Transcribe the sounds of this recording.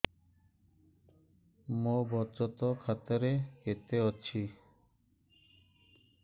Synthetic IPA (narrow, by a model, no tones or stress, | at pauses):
mobɔt͡ʃɔt̪okʰat̪ɔɾeket̪eɔtːt͡ɕʰi